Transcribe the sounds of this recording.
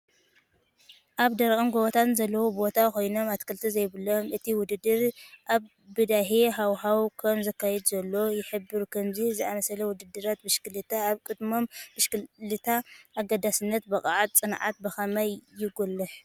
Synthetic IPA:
ʔaβd̪ɐɾkʼɐnɡoβot̪ʰanzɐlːɐwobo̞t̪ʰako̞jno̞mat̪kʰɨlt̪ʰizɐjβɨlomɨt̪ʰiwʊd̪ɨd̪ːɨɾʔaβ | bɨd̪aħiɦawɦawkʰɐmzɐkːajɛd̪zɐlːo̞jɪħɨbːɨɾkʰɐmzizɨamɐsɐlɐwʊd̪ɨd̪ːɨɾat̪̚bɨʃkɨlɨt̪ʰaːβkʼɨd̪mo̞mbɨʃkɨlɨt̪ʰaʔːɡɐd̪asɨnːɐt̪bɐkʼaʕat̪̚t͡sʼɨnʕa̰t̪̚bɐxɐmajːɪɡulːɨħ

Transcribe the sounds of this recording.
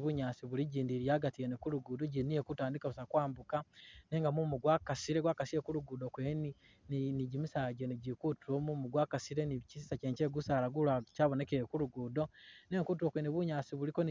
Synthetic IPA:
βuɲaːsiβuliɟiːndiɾiaːɡatienikuɾuɡudoɟiniekutaːndikaβusakwaːmbukaneŋɡamumuɡwakasiɾeɡwakasiɾekuɾuɡudokweni | niɟimisaːɟeniɟikutuɾomumuɡwaːkasiɾenicisisaceːɲt͡ʃeːɡusaɾaɡulacaβone̞keekuɾuɡuːdoneŋkut̬iɾwokweːniβuɲaːsiβulikon

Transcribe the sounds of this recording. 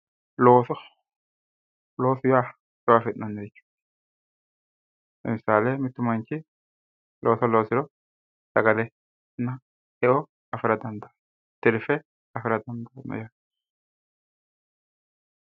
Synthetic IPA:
loːsɔ | lo̞ːsɪjaː | jwafɪnɐnːɛt͡ʃːu̥ | ɛ̰mɪsaːlemɪt̪ːʊmɐnt͡ʃːɪ | loːsɔloːsɪɾɔ | sɐɡɐlɛ | nːɐ | ɛʔɔ | ɐfɪɾɐd̪ɐnd̪ɐ | t̪ɪɾfɛ | ɐfɪɾɐd̪ɐnd̪ɐnɛ̰ja

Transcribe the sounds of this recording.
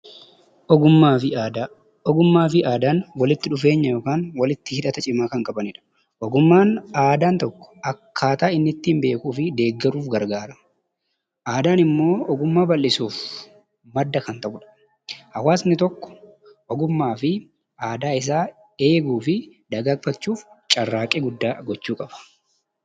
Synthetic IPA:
ʔɔɡʊmːaːfɪaːd̪aː | ɔɡʊmːaːfɪaːd̪aːnwɐlɪt̪ːɪᶑʊfe̞ːɲːɐjo̞ːkaːnwɐlɪt̪ːɪhɪᶑɐt̪ɐt͡ʃʼɪmaːkɐŋkʼɐbɐnɪᶑɐ̥ | ʔɔɡʊmːaːnaːd̪aːnt̪ɔkːɔ̥ɐkʰːaːt̪aːɪnːɪt̪ːiːmbe̞ːkuːfɪd̪e̞ːɡːɛɾuːfɡɐɾɡaːɾɐ | ʔaːd̪aːnɪmːo̞ːʔɔɡʊmːaːbɐlːɪsuːf | mɐd̪ːɐkɐnt̪ɐʔʊᶑɐ̥ | hɐwaːsnɪt̪ɔkːɔ̥ | ʔɔɡʊmːaːfɪ | aːd̪aːɪs̬aː | e̞ːɡuːfɪ | d̪ɐɡɐkfɐt͡ʃːuːf | t͡ʃʼɐrːaːkʼɪːɡʊd̪ːaːɡɔt͡ʃːuːkʼɐb̥ɐ̥

